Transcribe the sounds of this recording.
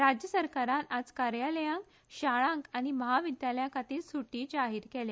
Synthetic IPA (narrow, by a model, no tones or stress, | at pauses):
ɾad͡ʑjəsəɾkaɾanad͡zkaɾjaləjãŋk | ɕaɭãŋkañiməɦaʋid̪ʱjaləjãkat̪iːlsuʈiːd͡ʑaɦiɾkɛle